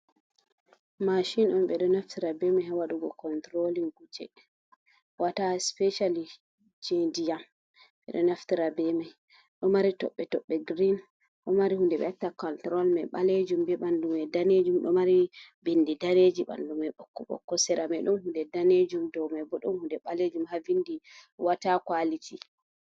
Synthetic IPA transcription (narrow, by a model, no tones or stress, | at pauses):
maʃinɔmɓɛɗɔnaftiɾabɛmahawaɗuɡɔkɔntɾoliŋɡut͡ʃɛ̰ | wataspɛʃali | d͡ʒedijam | ɓɛ̰ɗɔnaftiɾabɛmaj | ɗɔmaɾitɔ̰ɓːɛtɔɓːɛɡɾin | ɗɔmaɾihundɛbɛ̰atːakɔntɾɔlmɛɓaled͡ʒumbɛɓandumɛdaned͡ʒumɗɔ̰maɾibindidaned͡ʒiɓa̰ndumɛɓɔkːɔɓɔ̰kːɔsɛɾamajɗumhundɛdaned͡ʒumdɔwmajbɔɗumhundɛɓaled͡ʒumhavindiwatakwalitʰi